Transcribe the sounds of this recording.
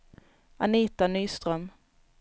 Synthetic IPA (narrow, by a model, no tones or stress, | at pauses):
aniːt̪anyːst̪ɾœm